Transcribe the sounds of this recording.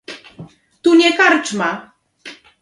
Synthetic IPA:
t̪uɲɛkaɾt͡ʂma

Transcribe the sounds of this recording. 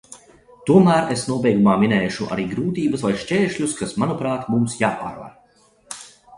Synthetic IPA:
t̪uɔmæːɾesnuɔbɛjɡumaːminɛːʃuʔa̰ɾiːɡɾuːt̪iːbɐsvajʃt͡ʃʲeːʃʎʲuskasmanupɾaːt̪mumsjaːpa̰ːɾva̰ɾ

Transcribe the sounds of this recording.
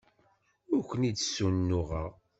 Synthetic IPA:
ʊɾkʷənidsunːʊʁə̰ʁ

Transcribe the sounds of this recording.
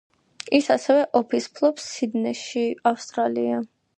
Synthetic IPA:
isasɛvɛʔɔpʰispʰlˠɔpsːid̪nɛʃiafst̪ʼɾalia

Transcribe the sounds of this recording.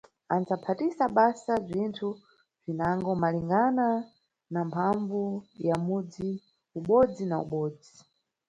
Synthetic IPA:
anzapʰatisaɓasazʷintʰu | b͡ʐinaŋɡɔmaliŋɡana | nampʰaɱvujamud͡zi | uɓɔd͡zinaṵɓɔːd͡zi

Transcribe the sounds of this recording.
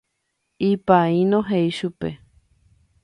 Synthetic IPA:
ipaĩnõɦeiʃupe

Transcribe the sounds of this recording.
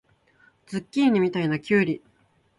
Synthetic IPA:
d͡zɨkʲːiːɲ̟imʲit̪ainakʲɨːɾʲi

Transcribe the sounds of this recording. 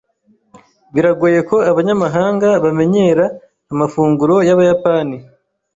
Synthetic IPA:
βiɾaɡuje̞ko̞aβaɲamaɦaːŋɡaβame̞ɲe̞ːɾaː | mafuːŋɡuɾo̞jaβajapani

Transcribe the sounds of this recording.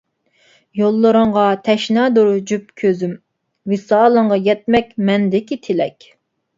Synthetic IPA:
jolˠːɨɾəŋʁɑt̪ʰɛʃnɑːd̪oɾd͡ʒyp̚kʲʰøzym | wɪsɑːlˠəŋʁɑjɛt̪̚mɛkʲmɛnd̪ɪkʲit̪ʰɪlɛkʲ

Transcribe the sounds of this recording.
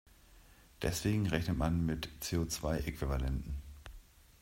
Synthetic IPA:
d̥ɛ̰sv̥eːɡŋ̩ʁɛçnətmanmɪtt͡seːot͡sv̥aɪʔekv̥ivalɛntn̩

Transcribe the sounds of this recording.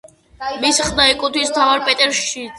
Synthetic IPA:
misχd̪aɛkʼut̪ʰwist̪ʰavaɾpʼɛt̪ʼɛɾsʃi

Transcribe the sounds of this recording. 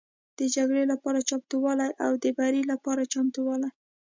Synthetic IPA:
d̪̥əd͡ʒaɡɽelapɑɾat͡ʃɑmt̪uwɑlajʔawd̪əbaɾilapɑɾat͡ʃɑmt̪uwɑlaj

